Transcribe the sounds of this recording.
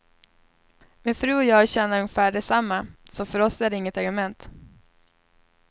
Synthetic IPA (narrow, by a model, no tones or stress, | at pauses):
mɪnfɾʉ̟ːɔjɑːɡɕɛnːəɾɵŋːɪfæːɖɛsamːasɔfœɾɔsæɖɛɪŋːət̪aɾɡɵmɛnt̪